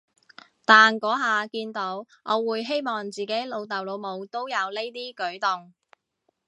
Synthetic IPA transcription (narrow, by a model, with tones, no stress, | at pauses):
t̪aː˨nkɔː˨˥ɦaː˨kiː˧nt̪o˨˥w | ŋʔɔː˨˧wuː˨˧jɦe˥jmɔː˨˩ŋt͡siː˨ke˨˥jlo˨˧wt̪ɐ˨˩wlo˨˧wmo˨˧wt̪o˥wjɐ˨˧wle˥jt̪iː˥kɵ˨˥ɥt̪ʊ˨ŋ